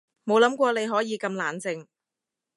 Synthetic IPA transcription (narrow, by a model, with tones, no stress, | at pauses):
mo˨˧wlɐ˨˥mkʷɔː˧le˨˧jɦɔː˨˥jiː˨˧kɐ˧mlaː˨nt͡sɪ˧ŋ